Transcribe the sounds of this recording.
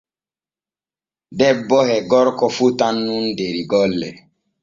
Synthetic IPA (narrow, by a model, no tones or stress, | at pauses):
dɛbːɔhɛɡɔɾkɔfutanːundeɾiɡɔlːɛ̰